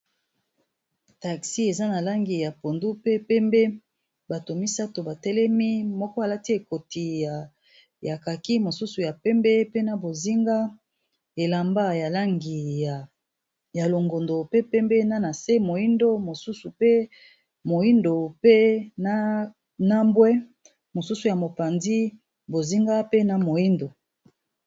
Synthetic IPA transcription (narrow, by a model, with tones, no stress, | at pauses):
ta˨ksi˦e˨za˦na˨la˦ŋɡi˨ja˨po˨ndu˦pe˦pɛ˦mbe˦ | ba˨to˨mi˦sa˦to˨ba˨tɛ˦lɛ˦mi˦mɔ˦kɔ˦a˨la˦ti˦e˨ko˨ti˨ja˨ | ja˨ka˨ki˦mo˨su˦su˨ja˨pɛ˦mbɛ˦pe˦na˨bo˨zi˦ŋɡa˦ | e˨la˨mba˦ja˨la˦ŋɡi˨ja˨ | ja˨lo˨ŋɡo˨ndo˨pe˦pɛ˦mbɛ˦na˦na˨se˦mo˨i˦ndo˦mo˨su˦su˨pe˦ | mo˨i˦ndo˨pe˦na˦ | na˦mbwɛ˦ | mo˨su˦su˨ja˨mo˨pa˨nzi˦ | bo˨zi˦ŋɡa˦pe˦na˨mo˨i˦ndo˨